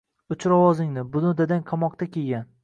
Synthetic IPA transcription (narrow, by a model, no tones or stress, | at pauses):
ʊt͡ʃɾɒwɒzɪŋnɪbʊnʊd̪ad̪anqʰɑmɒq̚t̪ʰakʲeɡʲan